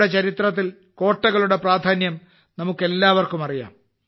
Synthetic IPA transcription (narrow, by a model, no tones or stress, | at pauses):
ɽet͡ɕɐɾit̪rɐt̪̬ːil | ko̞ːʈːɐɣɐɭuɽe̞praːd̪ʱaːnjɐm | nɐmukːe̞lːaːʋɐrkumɐrija̰ːm